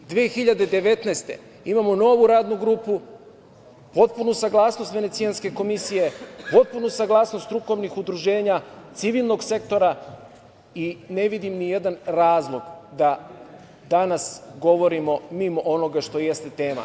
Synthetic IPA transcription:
d̪ʋiexiʎad̪e̞d̪e̞ʋe̞t̪neːst̪e̞ | imamono̞ʋuɾaːd̪nuɡɾuːpu | po̞t̪̚punusaɡlˠaːsno̞st̪ʋe̞net̪ijanske̞ko̞misije̞po̞t̪̚punusaɡlˠaːsnost̪ɾuko̞ʋnixud̪ɾuʒe̞ːɲat̪siʋilˠno̞ɡse̞kt̪o̞ɾa | ine̞ʋid̪imnije̞d̪anɾaːzlˠo̞ɡd̪a | d̪anasɡo̞ʋo̞ɾimo̞mimo̞ʔono̞ɡaʃt̪o̞jest̪e̞t̪e̞ːma̰

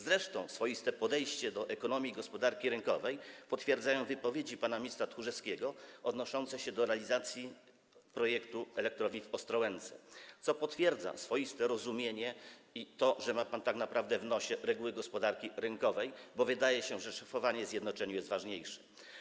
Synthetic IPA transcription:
zɾɛʂt̪ɔ̃w̃sfɔjist̪ɛpɔd̪ɛjɕt͡ɕɛd̪ɔʔɛkɔnɔmʲjiɡɔspɔd̪aɾkʲiɾɘŋkɔvɛjpɔt̪fʲjɛɾd̪zajɔ̃w̃vɘpɔvʲjed͡ʑipanamʲist̪sat̪xuʐɛskʲɛɡɔɔd̪nɔʂɔnt̪sɛɕɛd̪ɔɾɛalʲizat̪sʲji | pɾɔjɛkt̪uɛlɛk̚t̪ɾɔvʲɲifɔst̪ɾɔwɛnt̪sɛ̰t̪sɔpɔt̪fʲjɛɾd̪za̰sfɔjist̪ɛɾɔzumʲjeɲɛit̪ɔʐɛmapant̪aknapɾavd̪ɛvnɔɕɛɾɛɡuwɘɡɔspɔd̪aɾkʲiɾɘŋkɔvɛjbɔvɘd̪ajɛɕɛʐɛʂḁfɔvaɲɛzʲjɛd̪nɔt͡ʂɛɲujɛst̪vaʐɲejʂɛ̥

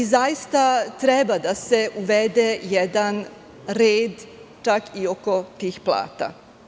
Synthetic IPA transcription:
izajist̪at̪ɾɛbad̪ase̞ʔuʋed̪ejɛd̪an | ɾeːd̪t͡ʃakio̞ko̞t̪iːxplˠa̰ːt̪a̰

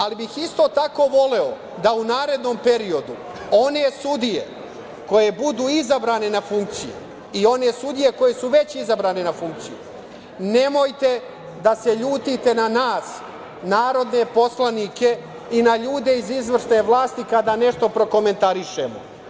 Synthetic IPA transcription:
alibixist̪o̞t̪ako̞ʋo̞le̞o̞ | d̪aunaːɾe̞d̪no̞mpe̞ɾio̞d̪u | o̞ne̞sud̪ijḛ | ko̞je̞bud̪uːizabɾaːne̞nafuŋk̚t̪sijṵ | io̞nesud̪ije̞ko̞je̞suʋe̞t͡ɕizabɾaːne̞nafuŋk̚t̪siju | nemo̞jt̪e̞ | d̪ase̞ʎuːt̪it̪e̞nanaːs | naːɾo̞d̪ne̞po̞slanike̞ | inaʎuːd̪e̞izizʋr̩ʃne̞ʋlˠaːst̪ikad̪aːne̞ʃt̪o̞pɾo̞ko̞me̞nt̪aɾiʃe̞̰mo̰

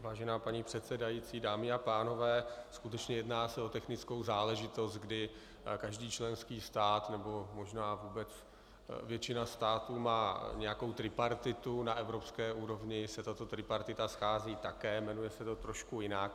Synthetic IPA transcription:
vaːʒɛnaːpaɲipr̝̥ɛt̪sɛdajiːt͡siːdaːmɪapaːno̞vɛːskut̪ɛt͡ʃɲɛjɛdnaːsɛo̞t̪ɛxnɪt͡sko̞wzaːlɛʒɪt̪o̞st̪̚ɡdɪ | kaʒdiːt͡ʃlɛnskiːst̪aːt̪nɛbo̞mo̞ʒnaːvuːbɛt͡s | vjɛt͡ʃɪnast̪aːt̪uːmaːɲɛjakowt̪ɾɪpaɾt̪ɪt̪unaʔɛvɾo̞pskɛːʔuːɾo̞vɲɪsɛt̪at̪o̞t̪ɾɪpaɾt̪ɪt̪asxaːziːt̪akɛːmɛnujɛsɛt̪o̞t̪ɾoʃkujɪnak̚

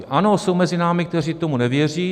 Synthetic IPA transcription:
ʔano̞sowmɛzɪnaːmɪk̚t̪ɛr̝iːt̪o̞munɛvjɛr̝iː

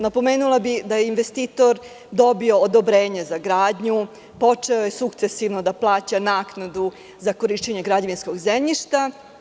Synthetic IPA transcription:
napo̞meːnulˠabid̪ajeinʋest̪iːt̪o̞ɾ | d̪o̞bio̞ːd̪obɾeːɲezaɡɾaːd̪ɲu | po̞t͡ʂeoje̞sukt̪sesiʋnod̪aplˠaːt͡ɕanaːknad̪u | zako̞ɾiʃt͡ɕeɲeɡɾad͡ʑaʋinsko̞ɡzemɲiʃt̪a

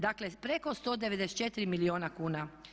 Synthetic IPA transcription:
d̪akle̞pɾeko̞st̪od̪e̞ʋed̪ese̥tt͡ʃe̞t̪iɾimilioːnakuːna

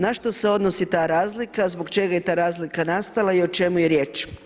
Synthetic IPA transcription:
naʃt̪o̞se̞o̞d̪no̞sit̪aːɾaːzlikazboɡt͡ʃe̞ɡaje̞t̪aːɾaːzlikanast̪alˠaio̞t͡ʃe̞mujeɾje̞ːt͡ʃ

